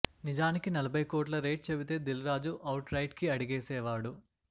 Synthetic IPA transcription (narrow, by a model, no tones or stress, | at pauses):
nid͡ʒaːnikinɐlɐbʱɐjkoːʈ̬lɐɾe̞ːʈ̚t͡ʃebit̪e̞ːd̪ilɾaːd͡ʒuʔɐwʈɾɐjʈkiɐɽiɡeːsɛːʋaːɽu